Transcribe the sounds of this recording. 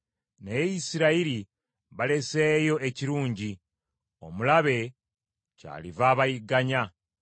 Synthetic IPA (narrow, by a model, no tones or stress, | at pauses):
nejisiɾaiɾi | βale̞seːjo̞e̞ciɾuːɲɟi | o̞̰mulaβe̞ | ca̰ːlivaːβajiɡaɲa